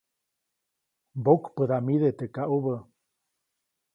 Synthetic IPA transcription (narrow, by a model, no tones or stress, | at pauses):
bokpəðamiðet̪ekaʔuβə